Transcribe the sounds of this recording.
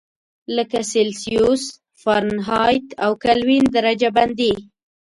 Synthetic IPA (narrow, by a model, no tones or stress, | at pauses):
ləkaselsijus | faɾnɦɑjt̪awkalwind̪aɾad͡ʒaband̪i